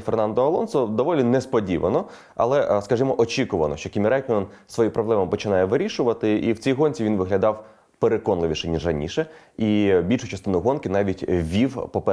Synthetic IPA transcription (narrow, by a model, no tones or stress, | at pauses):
fernɑnd̪ɔɐlˠɔnsɔd̪ɔʋɔlʲinɛspɔdʲiʋɐ̰nɔ | ɐ̰lˠɛskɐʒɪmɔʔɔt͡ʃikʊʋɐnɔʃt͡ʃɔkʲimʲɾɛjkn | sʋɔjipɾɔblˠɛmɐpɔt͡ʃɪnɑjɛʋɪɾʲiʃʊʋɐt̪ɪiwt͡sʲijɦɔnʲt͡sʲiʋinʋɪɦlʲɐd̪ɑw | peɾekɔnlˠɪʋʲiʃɛnʲiʒrɐnʲḭʃɛ | ibʲilʲʃʊt͡ʃɐst̪ɪnʊɦɔnkɪnɑʋʲitʲʋʲiwpɔpɛ